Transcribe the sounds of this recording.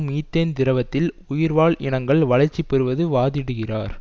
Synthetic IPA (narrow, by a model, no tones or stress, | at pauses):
miːt̪ːeːnd̪ɪɾɐʋɐt̪ːɪl | ʊjɪɾʋaːɭʔɪɳɐŋɡɐɭʋɐlɐɾt͡ʃːipːɛɾɯʋɐðɯʋaːðɪɽɯɣɪraːɾ